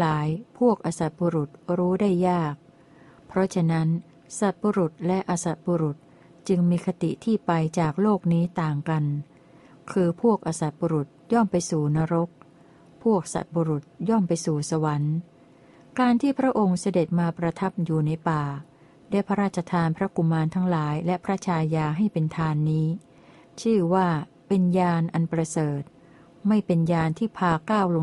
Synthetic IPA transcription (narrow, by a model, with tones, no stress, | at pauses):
laː˨˩˦jpʰu˥˩ək̚ʔaː˧sa˨˩t̪̚buː˧ɾu˨˩t̪̚ɾuː˦˥daː˥˩jːaː˥˩k̚ | pʰɾɔ˦˥t͡ɕʰa˧na˦˥n | sa˨˩t̪̚buː˧ɾu˨˩t̪̚lɛ˦˥ʔaː˧sa˨˩t̪̚buː˧ɾu˨˩t̪̚ | t͡ɕɯ˧ŋmiː˧kʰa˧t̪i˨˩t̪ʰiː˥˩pa˧jt͡ɕaː˨˩k̚loː˥˩k̚niː˦˥t̪aː˨˩ŋka˧n | kʰɯː˧pʰu˥˩ək̚ʔaː˧sa˨˩t̪̚buː˧ɾu˨˩t̪̚jɔ˥˩mpa˧jsuː˨˩na˧ɾo˦˥k̚ | pʰu˥˩ək̚sa̰˨˩t̪̚buː˧ɾu˨˩t̪̚jɔ˥˩mpa˧jsuː˨˩sa˧wa˩˦n | kaː˧nt̪ʰiː˥˩pʰɾa˦˥ʔo˧ŋsa˧de˨˩t̪̚maː˧pɾa˧t̪ʰa˦˥p̚juː˨˩na˧jpaː˨˩ | daː˥˩jpʰa˧˦ɾaː˥˩t̪̚t͡ɕʰːa˧t̪ʰaː˧npʰɾa˦˥ku˨˧˩mːaː˧nt̪ʰa˦˥ŋlaː˩˦jlɛ˦˥pʰɾa˦˥t͡ɕʰaː˧jaː˧ɦa˥˩jpe˧nt̪ʰaː˧nːiː˦˥ | t͡ɕʰɯː˥˩waː˥˩ | pe˧njaː˧nʔa˧npɾa˧sɤː˨˩t̪̚ | ma˥˩jpe˧njaː˧nt̪ʰiː˥˩pʰaː˧kaː˥˩wlo˧